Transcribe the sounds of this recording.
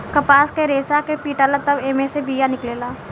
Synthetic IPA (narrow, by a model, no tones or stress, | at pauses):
kɐpaːskeɾeːsakepiːʈaːlat̪ɐbeːmesebʱijanɪkleːlaː